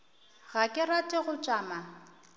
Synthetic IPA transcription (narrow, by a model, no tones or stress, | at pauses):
ɣakʼɪratʼɪɣʊt͡ʃʼaːma